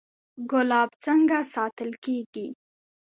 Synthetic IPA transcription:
ɡʊlɑbt͡səŋɡasɑt̪əlkeɡi

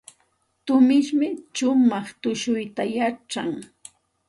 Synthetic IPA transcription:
t̪ʊmɪʃmɪt͡ʃʊmɑχt̪ʊʃʊjt̪ajaʈ͡ʂa̰ŋ

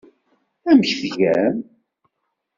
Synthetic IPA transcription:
æməçθʝæn

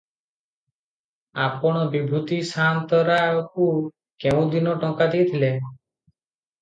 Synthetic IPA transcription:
apɔɽ̃ɔbibʱut̪isant̪ɔɾaɔk̚u | keũd̪inɔʈɔŋkad̪ejt̪ʰile

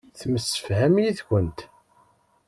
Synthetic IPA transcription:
θməsːə̥fhæmjiθçənt̪

